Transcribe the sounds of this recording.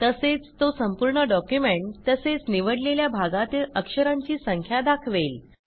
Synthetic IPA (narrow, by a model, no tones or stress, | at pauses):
t̪əset͡st̪osəmpuɾɳəɖɔkjumeɳʈt̪əset͡sniʋəɽleljabʱaɡat̪iləkʂəɾãɲt͡ɕiːsəŋkʰjad̪akʰʋel